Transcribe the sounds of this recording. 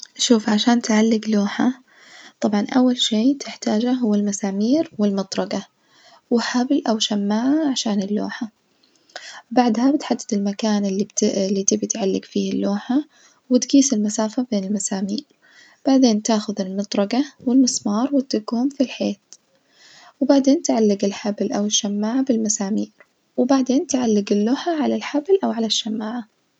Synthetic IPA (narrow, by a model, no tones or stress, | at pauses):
ʔʃuːfʕaʃaːnt̪ʕalːɪɡloːħa | t̪ˤɑbʕɑnʔawːalʃeːt̪ʰɪħt̪aːd͡ʒaɦʊwːalmasaːmiːɾwɪlmɑt̪ˤɾˤɑɡa | wɪħablʔawʃamːaːʕʕaʃaːnɪlːo̰ːħa | baʕd̪habɪt̪ħad̪ːɪd̪ɪlmakaːnɪlːib̪lːit̪ɪbit̪ʕalːɪɡfiːhɪlːoːħa | wɪt̪ɡiːsɪlmasaːfabeːnɪlmasaːmiːɾ | b̥aʕd̪eːnt̪aːxʊðɪlmɨt̪ˤɾˤɑɡawɪlmɨsmɑːɾˤwɪt̪ːʊɡuːmfilħeːt̪ | wɪbaʕd̪eːnt̪ʕalːɪɡɪlħablʔawɪʃːamːaːʕabɪlmasaːmiːɾ | wɪbaʕd̪eːnt̪ʕalːɪɡɪlːoːħaʕalalħablʔawʕalaʃːamːaːʕa